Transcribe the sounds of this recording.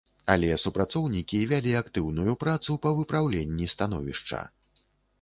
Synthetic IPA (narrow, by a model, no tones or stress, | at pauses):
alʲɛsupɾat̪sɔwnʲikʲivʲalʲiakt̪ɨwnujupɾat̪supɐvɨpɾawlʲenʲːist̪an̪ɔ̰vʲḭʂt͡ʂɐ̰